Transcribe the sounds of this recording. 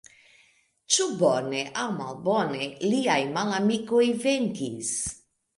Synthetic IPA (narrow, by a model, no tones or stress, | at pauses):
t͡ʃubɔneʔawma̰lbɔneliajmalamikojveŋɡḭs